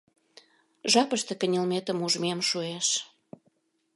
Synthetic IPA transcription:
ʒɑpəʃt̪ekə̆nʲəlmet̪ə̆muʒmemʃueʃ

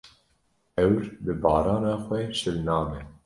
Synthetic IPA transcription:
ɛwɾbɨbɑːɾɑːnɑːxʷɛʃɨlnɑːmɛ

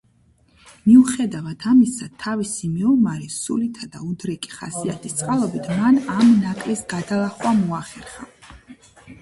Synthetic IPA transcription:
miuχɛd̪avat̪ʰamisat̪ʰavisimiɔmaɾisulit̪ʰad̪a̰ud̪ɾɛkʼi̥χa̰siat̪ʰist̪sʼqʼalˠɔbit̪ʰmanamnakʼlisɡad̪alˠaχwamɔaχɛɾχa

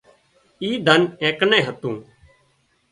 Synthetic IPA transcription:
iːd̪ʱənẽːknẽːɦət̪ũː

